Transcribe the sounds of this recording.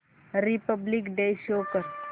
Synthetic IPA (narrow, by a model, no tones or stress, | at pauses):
ɾipəblikɖeːʃoːkəɾ